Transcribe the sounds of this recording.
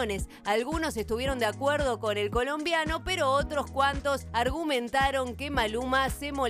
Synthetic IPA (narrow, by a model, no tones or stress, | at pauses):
ne̞s | alɣuno̞se̞st̪uβje̞ɾo̞nd̪eakweɾð̞o̞ko̞ne̞lko̞lo̞mbjano̞peɾo̞ot̪ɾoskwant̪o̞saɾɣumẽ̞nt̪aɾo̞ŋkemalumasemo̞